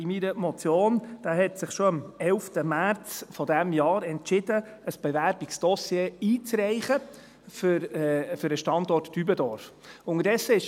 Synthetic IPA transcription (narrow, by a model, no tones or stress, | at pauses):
imiɾəmɔt͡sjoːnd̥aːɦɛt̪sɪχʃɔɑmɛlftəmæɾt͡sfɔdæmjɑːɾɛntt͡ʃɪd̥ə | əsb̥ɛvæɾb̥ɪksd̪̥ɔsjeːiːt͡sɾɛɪχə | fʏɾɛfʏɾəʃtɑnd̪ɔrtːybəd̪ɔɾf | ʊŋəɾdɛsəɪʃ